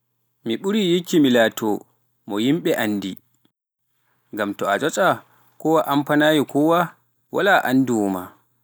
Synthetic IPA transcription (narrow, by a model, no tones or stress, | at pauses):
miɓuɾijikːimilaːtʰɔ | mɔjimɓɛʔanːdi | ŋɡamtɔad͡ʒɔt͡ʃʼa | kɔwaʔampanajikɔwa | wʔa̰laʔandiwɔma̰